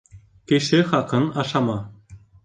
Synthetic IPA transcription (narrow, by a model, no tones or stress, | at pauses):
kʲeʃɘχɑkːɤ̆nɑʂɑmɑ